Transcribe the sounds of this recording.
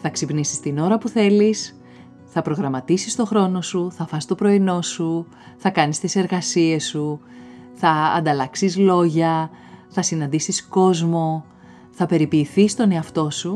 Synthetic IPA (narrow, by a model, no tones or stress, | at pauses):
θɐksipnisi̥st̪ino̞ɾɐpuθe̞lis | θɐpɾo̞ɣɾɐmɐt̪isist̪o̞xɾo̞no̞suθɐfɐst̪o̞pɾo̞ino̞su | θɐkɐnist̪ise̞ɾɣɐsie̞sːuθɐ̰ːnd̪ɐlɐksizlo̞ʝɐ | θɐsinɐnd̪isisko̞zmo̞ | θɐpe̞ɾipiːθist̪o̞ne̞ɐft̪o̞su